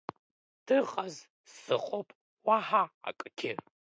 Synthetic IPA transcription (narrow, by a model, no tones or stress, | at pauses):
d̥ʰɨʁɐz | sɨχʷʼɔpʼ | waħaa̰kʼɨkʲʰɪ